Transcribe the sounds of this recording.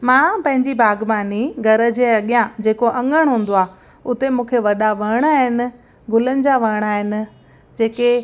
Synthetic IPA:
mãːpɐ̃ɦɪ̃ɲd͡ʑibʱaːɡmaːniɡʱɐɾə̆d͡ʑeːɐɠijãd͡ʑeːkoʔɐ̃ŋɡəɽ̃ɦũːn̆d̪oaː | ʊt̪emũːkʰeʋɐɗaʋɐɽ̃aːɦɪnɪ̆ | ɡʱʊlənɪ̆d͡ʑaʋɐɽ̃aːɦɪnɪ̆ | d͡ʑeːke

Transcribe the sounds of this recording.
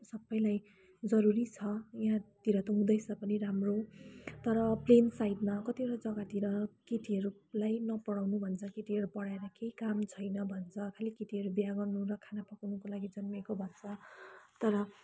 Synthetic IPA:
sʌbːʌjlaj | d͡zʌɾuɾit͡sʰʌjɦãt̪iɾʌt̪ʌũd̪ʌjt͡sʰʌpʌniɾamrot̪ʌɾʌplensajd̪makʌt̪iʌɾʌd͡zʌɡat̪iɾʌkeʈʰiɦʌɾulajnʌpʌɽawnubʱʌnt͡sʰʌkeʈiɦʌɾupʌɽaeɾʌkeikamt͡sʰʌjnʌbʱʌnt͡sʰʌkʰalikiʈiɦʌɾubjaɡʌrnuɾʌkʰanapʌkwnukolaɡid͡zʌnmekobʱʌnt͡sʰʌt̪ʌɾʌ

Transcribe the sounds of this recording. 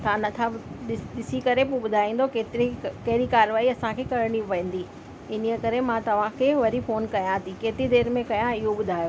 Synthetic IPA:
t̪ʰãnɐt̪ʰaɗɪɗɪsikɐɾepuɓʊd̪ʱaːĩːn̆d̪okeːt̪ɾikɐɦɪɾikaːɾʋaːiɐsãkʰeːkɐɾɽiʋɐ̃ɪ̃ːn̆d̪i | ɪniəkɐɾemãt̪ɐʋ̤ãkʰeːʋɐɾifoːnkɐjãt̪ʰikeːt̪ɾid̪eːɾmẽkɐjãɪɦoɓʊd̪ʱaːjoː

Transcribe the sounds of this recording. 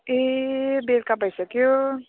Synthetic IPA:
ebelkabʱəjsəkijo

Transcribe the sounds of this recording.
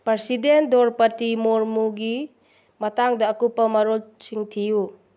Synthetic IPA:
pɾeɾsidendɔɾpɐtimoɾmuɡi | mɐtaŋdɐːkupːɐmɐɾolt͡ʃiŋtʰiju

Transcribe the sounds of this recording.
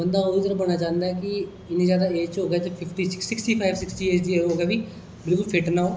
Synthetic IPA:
bə̃nd̪aɦoːit̪ɐɾəbɐɽnat͡ʃãːnd̪aɛki | ɪnẽd͡ʒjaːd̪aeːt͡ʃoːɡɛːt̪epʰɪpʈisɪksɪksʈipʰaɪbsɪksʈieːt͡ʃd̪ieɾɦoːɡɛbʱiː | bɪlkʊlpʰɪʈnaɦoː

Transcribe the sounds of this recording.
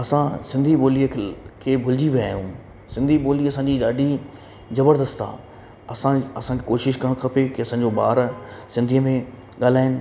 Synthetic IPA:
ɐsãsɪ̃nd̪ʱiɓoːliəkʰeːbʱʊld͡ʑiʋɐaːjũː | sɪ̃nd̪ʱiɓoːliɐsãːɲd͡ʑiɗaːɖʱi | zɐbəɾd̪əst̪a̰ː | ɐsãɐsãkʰekoːʃɪʃkɐəɽ̃kʰɐpekɪɐsãːɲ̆d͡ʑoɓa̰ːɾsɪ̃nd̪ʱijəmẽ | ɠaːl̤aːɪnɪ̆

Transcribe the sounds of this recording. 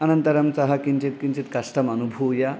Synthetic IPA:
ɐnənt̪ɐɾɐmt͡sɐɦɐkint͡ɕit̪̚kint͡sit̪kɐsʈɐmɐnubʱuwja

